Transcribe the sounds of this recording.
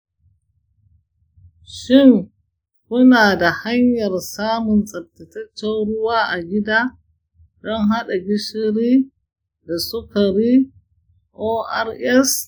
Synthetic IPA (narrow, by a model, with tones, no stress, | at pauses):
ʃɪ˦ŋ | kʊ˦naː˨da˨ha˦ɲjɐ˨rsaː˦mʊ˨nsʼɐ˨tːɐ˨tɐ˦t͡ʃːɛ˦nɽʊ˦waː˦ʔa˨ɡʲɪ˦daː˦ | dɔ˦ŋɦa˦ɗa˨ɡʲɪ˦ʃɪ˦ɾiː˦ | da˨sʊ˦ka˨ɾiː˦ | ʔoː˦ʔa˦ɾʔɛ˦s